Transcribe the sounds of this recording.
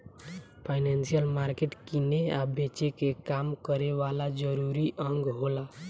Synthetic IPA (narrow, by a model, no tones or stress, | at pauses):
pʰaɪnensijəlmaɾkeʈkineabet͡ʃekekamkəɾeʋalad͡ʒəɾuɾiʔəŋɡɦola